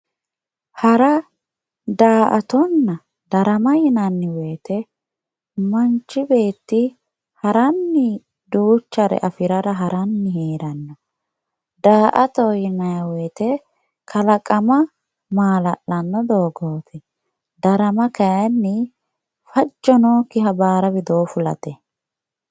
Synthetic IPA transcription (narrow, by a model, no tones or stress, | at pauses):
hɐɾɐ | d̪aːʔɐt̪ɔnːɐ | d̪ɐɾɐmɐjɪnɐnːɪwɛːt̪ɛ | mɐnt͡ʃːɪbe̞ːt̪ːɪ | hɐɾɐnːɪ | d̪uːt͡ʃːɐɾɛ̰ʔɐfɪɾɐɾɐɦɐɾɐnːɪɦeːɾɐnːɔ | d̪aːʔɐt̪ɔjɪnɐjɐwɛːt̪ɛ | kʰɐlɐkʼɐmɐ | maːlɐʔːɐnːɔd̪oːɡoːt̪ʰɛ | d̪ɐɾɐmɐkɐjɐnːɪ | fɐd͡ʒːɔnɔkɪɦɐbaːɾɐbɪd̪oːfʊlɐ̰t̪ɛ